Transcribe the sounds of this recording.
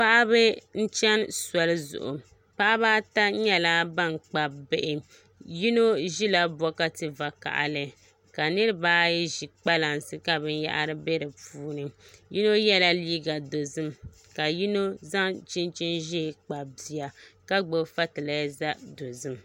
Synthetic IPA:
pa˦ʔa˦bɨ˦n̩˦t͡ʃɛ˦nswa˨lɨ˦zʊ̰˨ʔʊ̰˨ | pa˦ʔa˦baː˦ta˦ɲɛ˦la˦ba˦˨ŋk͡pa˦be˦˨ʔɪ˦ | ji˦no˦ʒi˦la˦bɔ˦ka˦tɨ˨va˨ka̰˨ʔa̰˨lɨ˨ | ka˨nɨ˦ɾɨ˦baː˦jɛ˦ʒi˨k͡pa˦la˨nsɨ˦ka˨bɨ˦n˦ja̰˦ʔa̰˦ɾɨ˦be˦ɾɨ˨puː˦nɨ˨ji˦no˦jɛ˦la˦liː˦ɡa˨do˨zɨ˦m | ka˨ji˦no˦za˦ŋt͡ʃi˦nt͡ʃi˦nʒɛ˦˨k͡pa˨bi˨a˨ka˦ɡ͡bo˨fa˦tɨ˨la˦za˦do˨zɨ˦m

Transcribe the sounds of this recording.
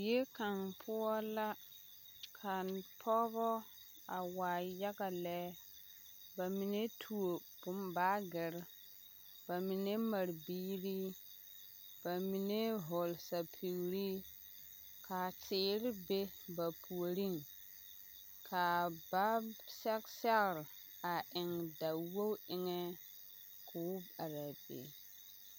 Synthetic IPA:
je˦ka˨ŋpʰʊ˦ɔ˦la˦ | kʰa˨n˨pʰɔ˦bɔ˦ | a˨waː˨ja˦ɡa˨lɛː˦ | ba˨mi˨ne˦tʰu˨o˨pʊ˦mbaː˦ɡɪ˨ɾ | ba˨mi˨ne˦ma˨ɾbiː˦ɾi˦ | ba˨mi˨ne˦ɦɔ˨lsa˨pʰi˨ɣɾi˦ | kʰa˨tʰɪː˨ɾɪ˦be˦ba˨pʰu˨o˨ɾi˦ŋ | kʰa˨ba˦sɛ˦ksɛ˦ɣɾ | a˨ʔɪ˨ŋda˨wo˦wɪ˨ŋɛ˦ | kʰʊ˨˦ba˨ɾa˨bḛ˨

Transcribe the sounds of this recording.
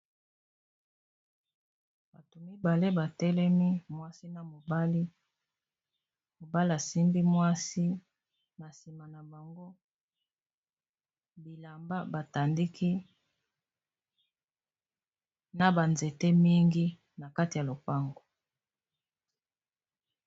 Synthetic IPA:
b̥a˨to˨mi˦ba˨le˦ba˨tɛ˦lɛ˦mi˦mwa˦si˦na˨mo˨ba˦li˦ | mo˨ba˦li˦a˨si˦mbi˦mwa˦si˦ | na˨si˨ma˨na˨ba˨ŋɡo˦ | bi˨la˨mba˦ba˨ta˨ndi˦ki˦ | na˨ba˨nze˨te˦mi˦ŋɡi˦ | na˨ka˦ti˨ja˨lo˨pa˦ŋɡo˨

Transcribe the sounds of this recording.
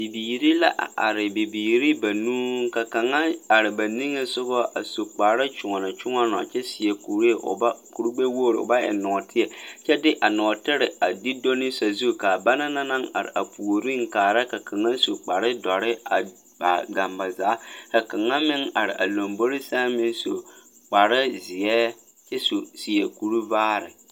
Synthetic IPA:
bi˨biː˨ɾi˦la̰˦ʔa̰˨a̰˨ɾɪ˨bi˨biː˨ɾi˦ba˨nuː˦ŋ˦ka˨ka˨ŋa˦a˨ɾɪ˨ba˨ni˦ŋe˦sʊ˦ɣɔ˦ʔa˨su˨k͡pa˨ɾɪ˦t͡ʃʊ˨ŋɔ˨na˨t͡ʃʊ˦ŋɔ˦nɔ̰˨t͡ʃɛ˦sɪ˨ɛ˨ku˨ɾe˦˨ʔʊ̰˨ba˦ku˨ɾu˦ɡ͡be˦woː˦˨ɾʊ̰˨ba˦ɛ̰˨nɔ˨tʰɪ˦ɛ˨t͡ʃɛ˦dɪ˦ʔa˨nɔ˨tɪ˦ɾɪ˨a˨di˦do˦nɪ˦sa˨zu˦˨ka˨ba˦na˦na˦na˦ŋa̰˨ɾɪ̰˨ʔa˨pʰu˨o˨ɾi˦ŋ˨kaː˨ɾa˦ka˨ka˨ŋa˦so˨k͡pa˨ɾɪ˦dɔ˨ɾɪ˦a˨ | ba̰˨ɡa˨mba˨zaː˨˦ka˨ka˨ŋa˦mɪ˦ŋa˨ɾɪ̰˨ʔa˨lo˨mbo˦ɾɪ˦sa˦mɪ˦nso˨ | k͡pa˨ɾɪ˦zɪ˨jɛː˦ | t͡ʃɛ˦su˨si˨ɛ˨ku˨ɾu˦vaː˦ɾɪ̰˨

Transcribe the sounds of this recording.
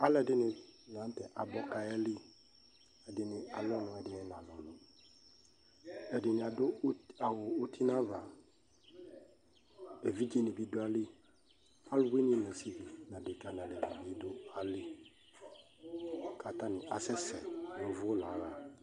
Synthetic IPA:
a˦lɛ˨dɪ˦nɪ̃˨n˨ã˨˦n˦tɛ˨ʔa˨bɔ˦ka˨ɛ˦lɪ˦ | ɛ˨dɪ˨nɪ̃˨a̰˨lʊ˦nʊ̃˨˦ɛ˨dɪ˨ɛ˦nã˨lʊ˨nʊ̃˨ | ɛ˨dɪ˨nɪ̃˨a˨dʊ˦a˨wʊ˨o˦tʰi˦nã˦va˨ | e˨vi˦d͡ʒi˦nɪ̃˨bi˦dʊ˦a˦lɪ˦ | a˦lwe˦nɪ̃˦nɛ̃˨si˦vi˨nã˨dɪ˨ka˦n˨ã˨dɪ˨ɡa˨bi˨˦dʊ˦a˨lɪ˦ | kʰa˨ta˦nɪ̃˨a˨sɛ˦sɛ˨nʊ̃˨vʊ˦la˨˦ɾa˨

